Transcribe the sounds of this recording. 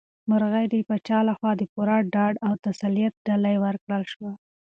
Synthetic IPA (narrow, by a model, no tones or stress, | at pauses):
maɾɣajd̪epət͡ʃɑlaxwɑd̪əpuɾaɖɑɖawt̪asalijat̪̚ɖalajwəɾkɽəlʃwa